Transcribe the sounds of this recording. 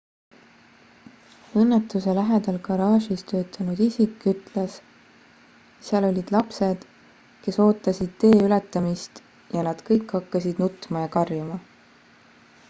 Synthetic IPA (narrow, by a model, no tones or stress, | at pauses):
ɤnːet̪ːˑuse̞læɦed̪̥ɑlkɑɾɑːʃist̪ø̞ːt̪ːˑɑnud̪̥isikːˑyt̪ˑles | siɑlo̞lʲid̪̥lɑpse̞d̪̥ | ke̞so̞ːt̪ːˑɑsʲid̪̥̚t̪ːe̞ːylet̪ːˑɑmist̪ | jɑnɑd̪̥kɤjkːɑkːɑsid̪̥nut̪ːˑmɑjɑkɑrjumɑ